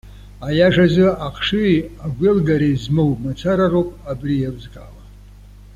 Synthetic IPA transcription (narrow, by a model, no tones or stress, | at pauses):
ajaʐazɨaqʰʂɨaɡʷɪlɡaɾezmowmat͡sʰaɾarowpʼabrijawzɡʼa̰la